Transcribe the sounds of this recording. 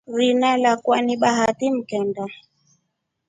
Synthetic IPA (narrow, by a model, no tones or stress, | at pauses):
ɾinalakwaniɓaɦatim̩kɛnda